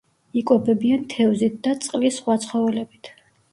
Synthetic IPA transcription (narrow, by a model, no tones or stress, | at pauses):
ikʼɔbɛbiant̪ʰɛvzit̪̚ʰd̪̥at̪sʼqʼlisχwat̪sʰχɔvɛlɛbit̪ʰ